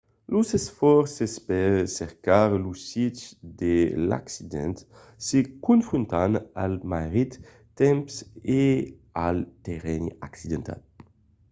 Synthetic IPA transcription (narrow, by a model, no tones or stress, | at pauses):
losesfɔɾsespɛɾsɛʁkaɾlusit̪d̪ela̰ksid̪ɛ̰̃nt̪ | sekunfɾunt̪analmaʁit̪ː | ɛmpse | alt̪eʁɛnaksid̪ent̪ʰa̰l